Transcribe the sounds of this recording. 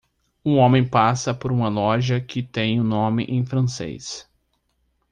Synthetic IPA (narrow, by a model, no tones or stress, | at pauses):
ũõmẽj̃pasɐpoɾũmɐlɔʒɐkʰɪt̪ẽj̃ʊnõmɪ̰ʔẽj̃fɾɐ̃sḛjs